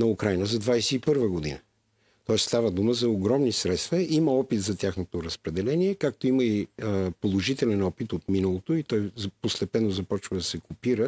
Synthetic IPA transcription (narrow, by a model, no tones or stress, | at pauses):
nɐukɾajnəzɐd̪vajsɛipɤɾvəɡod̪ḭnə | t̪ɔɛsst̪avəd̪uməzɐoɡɾɔmnisɾɛt̪st̪vɐʔimɐɔpit̪zɐt̪ʲjaxnot̪oɾɐspɾɛd̪ɛlɛniɛkak̚t̪oiməipolˠoʒit̪ɛlɛnɔpit̪ot̪minəlˠot̪oit̪ɔjzpost̪ɛpɛnːozɐpɔt͡ʃvɐd̪ɐsɛkopiɾə